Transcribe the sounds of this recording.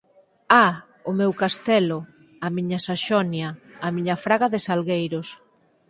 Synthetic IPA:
a | ʊmewkast̪ɛlʊ | amiɲɐsaʃɔnjɐːmiɲɐfɾaɣaðɪsalɣejɾʊs

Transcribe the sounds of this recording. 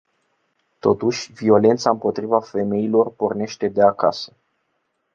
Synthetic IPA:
t̪o̞t̪uʃʲvio̞le̞nt̪saɨmpo̞t̪ɾivafe̞me̞ilo̞rpo̞rne̞ʃt̪e̞d̪eaka̰sə̥

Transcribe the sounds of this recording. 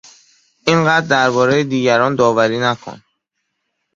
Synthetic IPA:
ʔinɢæːd̪ːæɾbɒːɾejed̪iːɟæɾɒːnd̪ɒːvæɾiːnækʰo̰n

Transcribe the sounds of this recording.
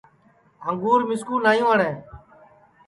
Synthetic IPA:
ɦəŋɡuːɾmɪskũːnaːjũːəɳɛ̃ː

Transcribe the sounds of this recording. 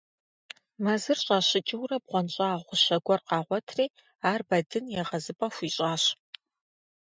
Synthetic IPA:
mɐzɨrɕʼaːɕɪt͡ʃʼɪwrɐb̚ʁʷɔnt͡ʃʼaːʁʷʊɕɐɡʷɔrqɑːʁʷɔtʰriː | aːrbɐdɨnjɛʁɐzɨpʼɐxʷiːɕʼaːɕ

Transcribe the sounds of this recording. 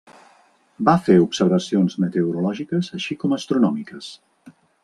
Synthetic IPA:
bafeupsəɾβəsionzmət̪euɾulɔʒikəzəʃikɔməst̪ɾunɔmikəs

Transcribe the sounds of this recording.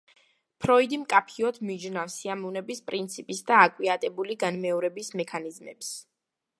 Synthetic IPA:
pʰɾɔid̪imkʼapʰiɔt̪ʰmid͡ʒnafsiamɔnɛbispʼɾint̪sʰipʼisd̪aːkʼwiat̪ʼɛbuliɡanmɛɔɾɛbismɛkʰanizmɛ̰ps

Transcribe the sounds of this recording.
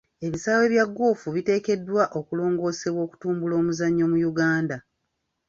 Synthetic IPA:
e̞βisaːwe̞βjaɡːoːfuβite̞ːke̞dːwaʔo̞kulo̞ːŋɡo̞ːse̞βwo̞ːku̥tuːmbulo̞ːmuzaɲːo̞mujuɡaːnda

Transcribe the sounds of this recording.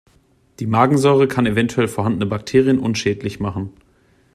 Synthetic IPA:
d̥iːmaːɡŋ̩zɔʏʁ̞əkʰanevɛntʰuɛlfoɐɦandənəbak̚tʰeːʁijənʔʊnʃɛːtlɪçmaχn̩

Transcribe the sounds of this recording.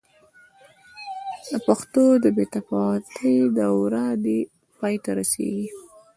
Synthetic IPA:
d̪əpaxt̪od̪əbet̪afɑwt̪ʰəjd̪əwɾɑd̪e | pɑjt̪aɾasḛɡi

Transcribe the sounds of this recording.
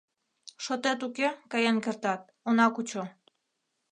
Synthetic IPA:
ʃot̪et̪ukekɑjenkert̪ɑt̪̚ | onɑkut͡ɕo

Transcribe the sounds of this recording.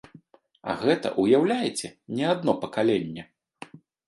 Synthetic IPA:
ɐ̰ɣɛt̪ɐ̰ʔujawlʲajɛt͡sʲɛnʲɛad̪nɔpɐkalʲenʲːɛ

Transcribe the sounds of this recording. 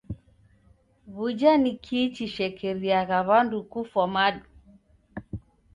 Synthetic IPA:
βud͡ʒanikʰit͡ʃiʃɛkʰɛɾiaɣaβandukufamaɗu

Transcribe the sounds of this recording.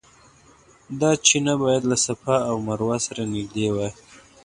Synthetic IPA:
d̪ɑt͡ʃinabɑjad̪lasapaːwmaɾwasaɾanɪɡd̪ewaj

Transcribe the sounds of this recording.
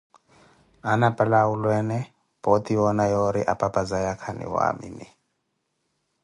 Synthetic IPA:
anapʼalaulwɛnɛ | pɔt̪ʼiwɔnajɔɾiʔapʼapʼad͡zajakʰanḭwa̰mḭni

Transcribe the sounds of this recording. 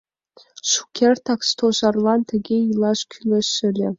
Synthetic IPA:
ʃu̥kʲʰert̪ʰɑkst̪ʰoʃɑrlˠɑnt̪ʰɘ̆ɡʲeilˠɑʃkʲʰylʲɘʃɘlʲɘ

